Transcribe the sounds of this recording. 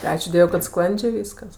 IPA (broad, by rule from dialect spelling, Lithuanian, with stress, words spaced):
tʲɪ ˈɑːt͡ʃʲuː ˈdʲiɛʋʊɪ kɐt ˈsklˠɐnʲd͡ʒʲeː ˈʋʲiːskɐs